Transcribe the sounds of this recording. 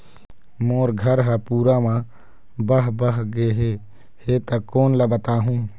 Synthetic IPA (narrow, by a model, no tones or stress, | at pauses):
moːɾɡʱəɾɦəpuːɾamã | bəɦbəɦɡeɦe | het̪əkoːnləbət̪aːɦũː